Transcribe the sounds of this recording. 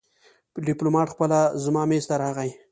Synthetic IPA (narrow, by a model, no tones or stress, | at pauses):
ɖɪplomɑʈxpəlazmɑːmest̪aɾɑɣaj